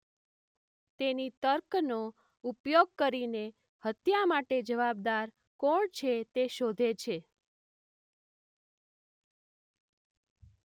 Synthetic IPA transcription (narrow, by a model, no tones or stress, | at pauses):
t̪enit̪əɾkno | upjoɡ̚kəɾine | hət̪jamaʈed͡ʒəʋab̚d̪aɾ | kɔɳt͡ʃʰet̪eʃod̪ʱet͡ʃʰe